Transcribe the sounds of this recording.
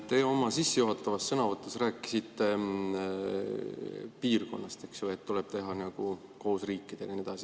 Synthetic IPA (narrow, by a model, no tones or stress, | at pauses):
t̪e̞o̞mɑsisːejuɦɑt̪ːˑɑvɑsːɤnɑvɤt̪ːˑusræːkˑːi̥sit̪ːe̞ | piːrko̞̰nːɑst̪e̞ksjoet̪t̪ːuleb̥t̪e̞ɦɑnɑɡ̥u | ko̞ːsriːkːˑid̪̥e̞lined̪̥ɑsi